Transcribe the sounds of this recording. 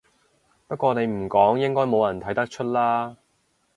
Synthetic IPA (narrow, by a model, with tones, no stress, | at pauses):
pɐ˥t̚kʷɔː˧ne˨˧jm̩˨˩kɔː˨˥ŋjɪ˥ŋkɔː˥jmo˨˧wjɐ˨˩nt̪ʰɐ˨˥jt̪ɐ˥k̚t͡ʃʰɵ˥t̚laː˥